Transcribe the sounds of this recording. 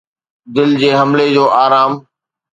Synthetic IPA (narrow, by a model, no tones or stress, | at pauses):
d̪ɪld͡ʑeːɦɐmled͡ʑoːʔaːɾaːm